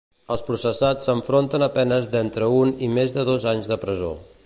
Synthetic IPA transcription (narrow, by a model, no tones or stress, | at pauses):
əlˠspɾusəsat͡sːəɱfɾont̪ənəpɛnəzðɛnt̪ɾəunimezðəðozaɲzðəpɾəzo̰